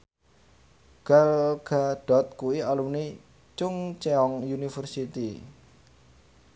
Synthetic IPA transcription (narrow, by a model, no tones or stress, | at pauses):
ɡ̥alɡ̥aɖ̥ɔ̤t̪̚kuiɔluni | t͡ʃʊŋt͡ʃɛɔŋjunifərsit̪i